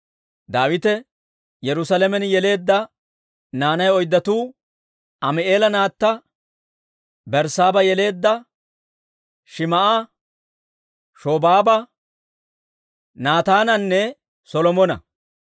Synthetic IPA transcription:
d̪aːwɪt̪ɛ | jɛɾʊsɐlɛmɛnjɛle̞ːd̪ːɐ | naːnɐjɔjd̪ːɐt̪uː | ɐmɪʔe̞ːlɐnaːt̪ːɐ | bɛɾsaːbɐjɛle̞ːd̪ːɐ | ʃɪmɐʔɐ | ʃoːbaːbɐ | naːt̪aːnɐnːɛ | sɔlɔmɔnɐ̰

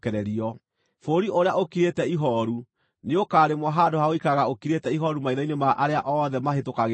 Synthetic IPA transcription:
kɛɾɛɾiɔ | foɾiʔoɾeaʔokiɾetɛiɦɔɾu | neokaːɾemwɔɦadohaoikaɣaokiɾetɛiɦɔɾumaiðainemaʔaɾeaʔɔðɛmaɦetokaɣ

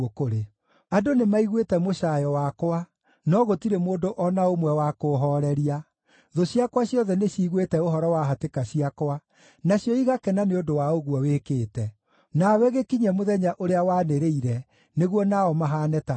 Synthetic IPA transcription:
okoɾe | adonemaiɣwetɛmoʃajɔwakowa | nɔɣotiɾemoːdoʔɔnaomwɛwakoɦɔɾɛɾia | ðoɕiakwaɕjɔðɛneɕiːɣwetɛoɦɔɾɔwaɦatekaɕiakwa | naɕjɔiɣakɛnaneodowaoɣuɔweːkeːtɛ | nawɛɣekiɲɛmoðɛɲaʔoɾeawaːneɾeiɾɛ | neɣwɔnaɔmaɦaːnɛta

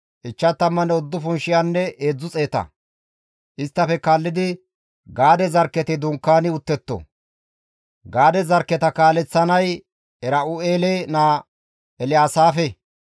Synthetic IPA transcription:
ʔɪt͡ʃːɐt̪ːɐmːɐnɛɔd̪ːʊfʊnʃɪjanːɛeːd͡zːʊt͡sʼe̞ːt̪ɐ̰ | ʔɪst̪ːɐfɛkaːlːɪd̪ɪ | ɡaːd̪ɛzɐɾkːɛt̪ɪd̪ʊŋkːaːnɪʊt̪ːɛt̪ːɔ̰ | ɡaːd̪ɛzɐɾkːɛt̪ɐkaːlɛt͡sːɐnɐj | ɛɾɐʊeːlenaː | ɛlɪjaːsaːfɛ

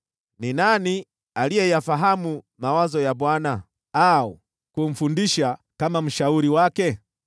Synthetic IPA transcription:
ninani | alijɛjafaɦamu | mawazɔjaɓwana | au | kum̩fundiʃakamam̩ʃauɾiwakɛ

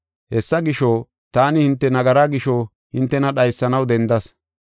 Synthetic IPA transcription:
hɛsːɐɡɪʃo | t̪aːnɪhɪnt̪ːɛnɐɡɐɾaːɡɪʃo | hɪnt̪ːɛnɐɗɐjsːɐnɐwd̪ɛnd̪ɐs

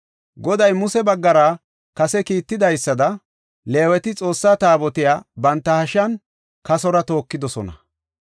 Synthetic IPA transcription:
ɡɔd̪ɐjmʊsɛbɐɡːɐɾaː | kɐsɛkiːt̪ːɪd̪ɐjsːɐd̪ɐ | le̞ːwɛt̪ɪt͡sʼo̞ːsːaːt̪aːbɔt̪ɪjaːbɐnt̪ːɐhɐʃɐn | kɐsɔɾɐt̪o̞ːkːɪd̪ɔsɔnɐ̰

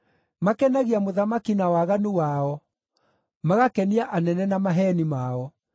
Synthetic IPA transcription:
makɛnaɣiamoðamakinawaɣanuwaɔ | maɣakɛniaʔanɛnɛnamaɦɛnimaɔ

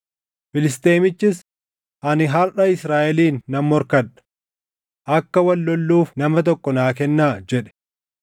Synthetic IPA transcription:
fɪlɪs̬t̪eːmɪt͡ʃːɪs | ʔɐnɪɦɐɾᶑɐɪsɾaːʔɛliːnːɐmːɔɾkɐᶑɐ̥ | ʔɐkːɐwɐlːɔlːuːfnɐmɐt̪̬ɔkːɔnaːk̬ɛnːaːd͡ʒɛᶑɛ̥

